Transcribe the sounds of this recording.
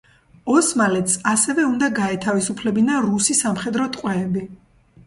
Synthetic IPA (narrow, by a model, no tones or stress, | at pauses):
ɔsmalɛt̪sasɛvɛund̪aɡaɛt̪ʰavisupʰlɛbinaɾusisamχɛd̪ɾɔt̪ʼqʼwɛːbi